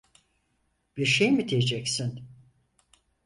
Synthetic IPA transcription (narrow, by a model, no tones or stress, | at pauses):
b̥iɾʃejmid̪ʰejed͡ʒɛcsin